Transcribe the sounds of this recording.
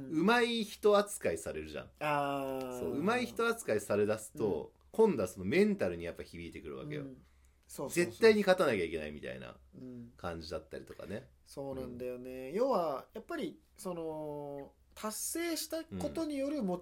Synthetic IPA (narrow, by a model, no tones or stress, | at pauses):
ɯ̟maiçi̥t̪o̞at͡sɨ̥kaisaɾe̞ɾɯ̟ʑã̰ŋaso̞̰ːɯ̟maiçi̥t̪o̞at͡sɨ̥kaisaɾe̞d̪asɨ̥t̪o̰ | kõ̞nd̪o̞aso̞no̞mẽ̞nt̪aɾɯ̟ɲ̟ijapːaçibʲiːt̪e̞kɯ̟ɾɯ̟βa̰ke̞̰jo̰ | soze̞t̪ːaiɲ̟ikat̪anakʲaikʲe̞naimʲit̪a̰ḭna̰kãɲ̟d͡ʑid̪at̪ːaɾʲit̪o̞ka̰ne̞ | so̞ːnãnd̪ajonejo̞ːβajapːaɾʲi | so̞no̞ | t̪ʰasːe̞ːɕi̥t̪ako̞t̪o̞ɲ̟ijo̞ɾɯ̟mo